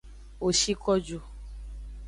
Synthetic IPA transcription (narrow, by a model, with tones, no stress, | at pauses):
o˨ʃi˦kɔ˦d͡ʒu˨